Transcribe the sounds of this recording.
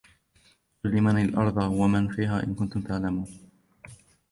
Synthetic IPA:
qʊlːɪmanalʔɑ̰ɾˤðˤɑwamanfiːɦaːʔɪ̰nkʊnt̪ʊmt̪aʕlamuːn

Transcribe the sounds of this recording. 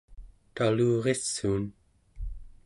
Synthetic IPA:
t̪aluːʁesːuːn

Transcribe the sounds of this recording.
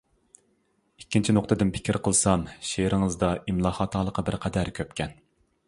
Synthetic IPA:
ikʲːint͡ʃʰinoq̚t̪ɨd̪ɪnpʰɪ̥kʲʰiɾqʰəlˠsɑmʃeɾɪŋəzd̪ɑʔimlˠɑːχɑt̪ʰɑlˠəqːɑbɪɾqʰɛd̪æɾkʲʰøpkʲɛn

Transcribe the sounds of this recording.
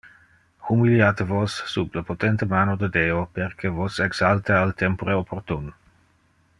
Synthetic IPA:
xumiljaːt̪evosːubləpot̪ɛnt̪əmaːnod̪əd̪eːopeɾkʰevoseɡz̥alt̪əalt̪ɛmpoɾeopʰort̪un

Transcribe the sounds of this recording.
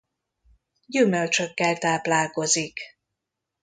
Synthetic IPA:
ɟymølt͡ʃøkːɛlt̪aːplaːlko̞zik

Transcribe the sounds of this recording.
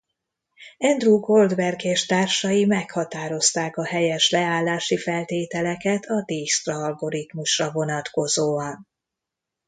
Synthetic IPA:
ɛnd̪ruːɡo̞ld̪vɛrɡeːʃt̪aːrʃɒjimɛkhɒt̪aːɾo̞st̪aːkɒhɛjɛʃlɛaːlːaːʃifɛlt̪eːt̪ɛlɛkɛt̪ʰɒd̪eːst̪rɒɒlɡo̞ɾit̪muʃrɒvo̞nɒt̪ko̞zoːɒn

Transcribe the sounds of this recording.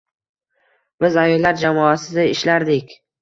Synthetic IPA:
b̥ɪzajɒlːaɾd͡ʒamɒasɪd̪aɪʃlaɾd̪ɪkʲ

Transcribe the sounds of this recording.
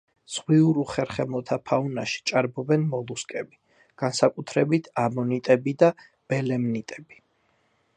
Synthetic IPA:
z̥ʁwiuɾuχɛɾχɛmɔt̪ʰapʰaunaʃi̥t͡ʃʼaɾbɔbɛnmɔlˠuskʼɛbi | ɡ̥ansakʼut̪ʰɾɛbit̪ʰamɔnit̪ʼɛbid̪a | b̥ɛlɛmnit̪ʼɛbi̥

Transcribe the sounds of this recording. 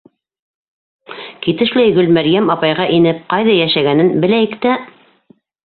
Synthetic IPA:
kit̪ɘ̆ʃlæjɡɵlmæɾjæmɑpɑjʁɑʔinɘp̚qɑjðɑjæʃæɡænɘnbɘ̆læjɘkt̪æ

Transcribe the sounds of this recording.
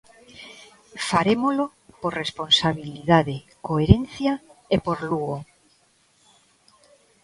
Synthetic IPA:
faɾemolo | poɾresponsaβiliðaðe | koeɾẽnθjaepoɾluɣo

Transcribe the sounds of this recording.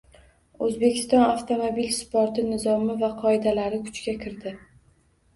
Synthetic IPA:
ɵzbe̞kʲɪ̥st̪ɒnaft̪ʰomobilspoɾt̪ɪnɪzɒmɪvaqʰɒɪd̪alaɾɪkʰʊ̥t͡ʃkʲakʲʰɪɾd̪ɪ

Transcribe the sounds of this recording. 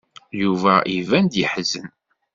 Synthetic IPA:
juvæʔivænd̪jiħzən

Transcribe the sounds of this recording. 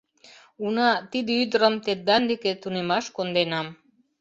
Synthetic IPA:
unɑt̪id̪yd̪ɾəmt̪et̪̚d̪and̪eket̪unemɑʃkond̪enɑm

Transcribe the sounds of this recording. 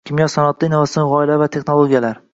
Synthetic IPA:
kʲʰɪmjɒsanɒt̪ʰːɪinɒvasʁɒɪlavat̪ʰe̞χnolˠoɡʲijalaɾ

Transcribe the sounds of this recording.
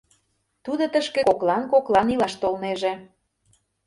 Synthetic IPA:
t̪ud̪ot̪əʃkĕkoklɑnkoklɑnilɑʃt̪olneʒĕ

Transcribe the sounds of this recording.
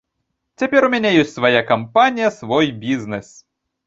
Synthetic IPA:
t͡sʲɐpʲɛɾʊmʲɛnʲɛjɔsʲtʲsʋɐjakɐmpanʲijɐsʋɔjbʲiznɛs

